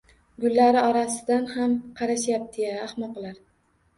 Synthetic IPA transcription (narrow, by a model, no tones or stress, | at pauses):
ɡʊlːaɾɪɒɾasɪd̪anhamqʰɑɾaʃjap̚d̪̥ʰejaːhmɒqlaɾ